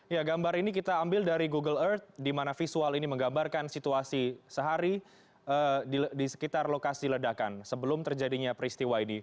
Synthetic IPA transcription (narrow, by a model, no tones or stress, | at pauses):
jaɡambaɾinik̬it̪aːmbɪldaɾiɡuɡələrt̪̚dimanafisualiniməŋɡambarkansit̪uasisəɦaɾi | ədidisə̥kit̪arlokasilədakansəbəlʊmt̪ərd͡ʒadiɲapɾist̪iwaini